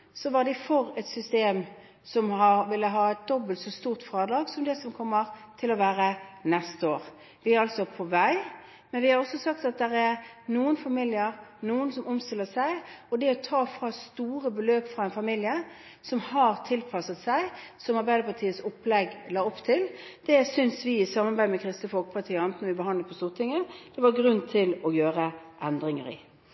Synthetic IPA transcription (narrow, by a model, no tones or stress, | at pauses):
sɔʋɑʁd̪ɪfɔɾɛt̪sʏst̪eːm | sɔmhɑʋɪlːəɦɑːɛt̪̚d̪ɔbəlt̪sɔst̪uːʁt̪fɾɑːd̪ɾɑːɡsɔmd̪ɛsɔmkʰɔmːəʁt̪ʰɪlɔʋæːɾənɛst̪əoːʁ | ʋɪæɾɑlt̪sɔpʰɔʋæɪ | mɛnʋɪhɑɾɔsːɔsɑkt̪ɑt̪̚d̪ɛɾæʁnuːənfɑmɪljəɾnuːənsɔmʊmst̪ɪlːəsæɪɔd̪ɛɔt̪ʰɑːfɾɑst̪uːɾəbəløːpfɾɑɛnfɑmiljə | sɔmhɑɾt̪ʰɪlpʰɑsət̪sæɪsɔmɑɾbæɪd̪əpɑt̪ʰiːət̪sʊpːlɛɡlɑːɔpːt̪ʰɪld̪̥ɛsʏnsʋɪɪsɑmɑɾbæɪd̪mɛkʰɾɪst̪əfɔlkə̥pʰɑt̪ʰiːəɪnt̪nəʋɪbəɦɑnd̪ləpʰɔst̪uːʁt̪ʰɪŋəd̪̥ɛʋɑɾɡɾʉnːt̪ʰɪlɔjøːɾəʔɛnd̪ɾɪŋə̰ɾɪ̰